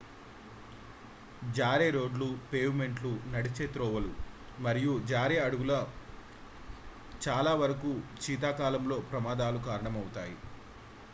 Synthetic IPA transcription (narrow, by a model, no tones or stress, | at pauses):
d͡ʒaːɾeːɾo̞ːɖlupeːʋme̞ɳʈlunɐɽit͡ʃeːt̪ɾɔːʋɐlu | mɐɾijud͡ʒaːɾeɐɽuɡulɐ | t͡ʃaːlaːʋɐɾɐkuːt͡ʃiːt̪̬aːkaːlɐmlo̞ːpɾɐmaːd̪aːlukaːɾɐɳɐmɐwut̪aːji